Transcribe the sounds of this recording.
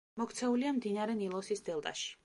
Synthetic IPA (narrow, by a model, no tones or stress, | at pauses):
mɔkʰt̪sʰɛuliamd̪inaɾɛnilˠɔsisd̪ɛlˠt̪ʼa̰ʃi̥